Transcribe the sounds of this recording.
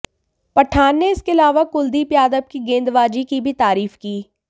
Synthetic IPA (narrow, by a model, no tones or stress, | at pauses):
pɐʈʰaːnːeɪskeɪlaːʋakʊld̪ipjaːd̪əb̚kiɡẽːnd̪ʋaːd͡ʒikibʱit̪aːɾiːfkiː